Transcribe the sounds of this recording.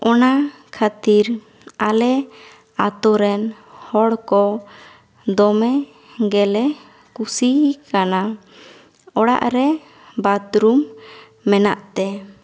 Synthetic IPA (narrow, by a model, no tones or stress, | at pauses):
ɔna | kʰat̪iɾ | alɛ | at̪ɔɾɛn | hɔɽkɔ | d̪ɔmɛ | ɡɛlɛ | kusikana | ɔɽa̰ʔɾɛ | bad̪ɾumː | ɛnaʔt̪ɛ